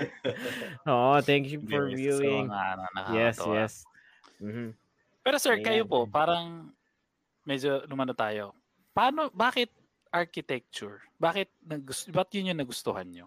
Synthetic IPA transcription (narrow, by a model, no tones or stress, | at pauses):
oʔot̪æ̃ŋkjufɔɹvjuːɪŋŋaʔnnɐ̰kajɛst̪jɛs | m̩ːm̩ | pɛːɾosɛɹkɐjopopaːɾɐŋ | mɛd͡ʒolʊmɐnot̪aːjo | paːnobaːkɪt̪̚ | ʔaɹkɪt̪ɛk̚t͡ʃʊɹbaːkɪt̪̚nɐɡʊsbɐt̪jʊnjʊŋnɐɡʊst̪ʊhanɲo